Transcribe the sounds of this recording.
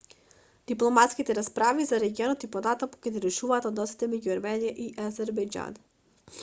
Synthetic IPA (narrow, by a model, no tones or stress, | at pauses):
d̪̥iplˠɔmat̪skit̪ɛɾaspɾavizaɾɛɡiɔnɔt̪ipɔnat̪amukɛniɾɛʃuvaːt̪ɔd̪nɔsi̥t̪ɛmɛɟuaɾmɛnijaʔiʔazɛɾbɛjd͡ʒa̰n